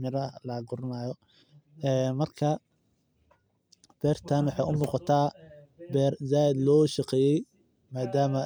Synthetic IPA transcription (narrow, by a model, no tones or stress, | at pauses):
mɪɾɐlɐɡʊɾnaːjɔ | ɛːmɐrkʰɐ | b̥ɛːrt̪ʰanwɑħɑjʔʊmuːqɑt̪ʰaːbɛːrzaːɪd̪lɔːʃɐqɛːjɛj | maːd̪aːmɐ